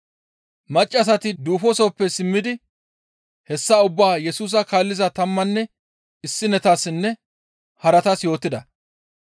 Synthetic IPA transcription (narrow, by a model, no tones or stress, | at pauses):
mɐt͡ʃʼːɐs̬ɐt̪ɪd̪uːfɔsoːpːɛsɪmːɪd̪ɪ | hɛsːaːʊbːaːjɛsuːs̬ɐkaːlːɪzɐt̪ɐmːɐnːɛ | ɪsːɪnɛt̪aːsːɪnːɛ | hɐɾɐt̪ɐsjo̞ːt̪ːɪd̪ɐ